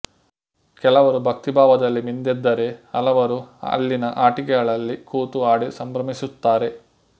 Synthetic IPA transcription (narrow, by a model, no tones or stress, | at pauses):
kɛlɐʋɐɾubʱɐk̚t̪ibʱaːʋɐd̪ɐlːimind̪ɛd̪ːɐɾe̞ɐlɐʋɐɾuɐ̰lːinɐʔaːʈikɛɡɐɭɐlːikuːt̪uaːɽisɐmbɾɐmisut̪ːaːɾe̞